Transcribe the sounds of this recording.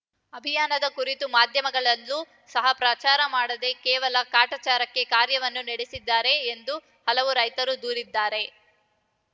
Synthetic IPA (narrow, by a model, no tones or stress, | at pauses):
ɐbʱijaːnɐd̪ɐkuɾit̪umaːd̪ʱjɐmɐɡɐɭɐlːu | sɐɦɐpɾaːt͡ʃaːɾɐmaːɽɐd̪e̞kɛːʋɐlɐkaːʈat͡ʃaːɾɐkːe̞kaːɾjɐʋɐnːunɐɽesid̪ːaːɾe̞ːnd̪u | hɐlɐʋuɾɐjt̪ɐɾud̪uːɾid̪ːaːɾe̞